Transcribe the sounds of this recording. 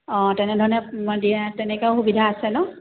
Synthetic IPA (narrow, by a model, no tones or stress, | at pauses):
ɔ̃tɛnɛdʱɔɹɔnɛdiɛtɛnɛkɛʊxubidʱaːsɛnɔ